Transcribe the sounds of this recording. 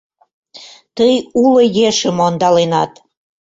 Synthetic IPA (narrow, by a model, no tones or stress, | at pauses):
t̪əjulŏjeʃəmond̪ɑlenɑt̪